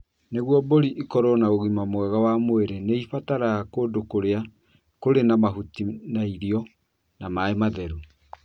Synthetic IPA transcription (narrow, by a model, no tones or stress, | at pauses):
neɣwɔboɾiʔikɔɾɔnaoɣimamwɛɣawamoeɾeneifataɾakoːdokoɾea | koɾenamaɦutinaiɾiɔ | namaemaðɛɾu